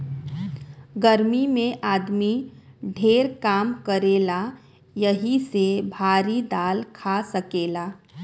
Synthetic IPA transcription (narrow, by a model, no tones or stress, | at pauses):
ɡəɾmimẽʔaːd̪miɖʱeːɾkaːmkəɾeːla | jəɦisebʱaːɾid̪aːlkʰasəkeːlaː